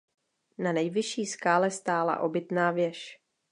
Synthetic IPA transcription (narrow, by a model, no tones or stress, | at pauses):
nanɛjvɪʃiːskaːlɛst̪aːla̰ʔo̞bɪt̪naːvjɛʃ